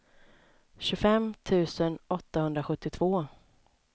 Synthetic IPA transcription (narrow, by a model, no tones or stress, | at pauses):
ɕɵfɛmt̪ʰʉ̟ːsənʔɔt̪ːahɵnd̪ɾaɧɵt̪ːɪt̪ʰv̥oː